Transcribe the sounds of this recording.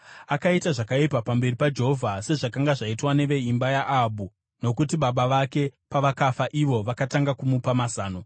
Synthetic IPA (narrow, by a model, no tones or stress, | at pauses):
akaitaʐakaipapambe̞ripad͡ʒe̞ɦovʱase̞ʐakaŋɡaʐaitwane̞ʋe̞imbajaʔabʱu | no̞kutiɓaɓaʋake̞paʋakafaʔiʋo̞ʋakataŋɡakumupamasaːno̞